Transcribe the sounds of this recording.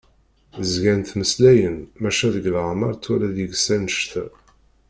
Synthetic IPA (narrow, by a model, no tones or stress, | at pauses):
zɡænt̪məslæjənmæʃæðəɡlʁmɑɾˤt͡sːwælæðjəɡsænəʃt̪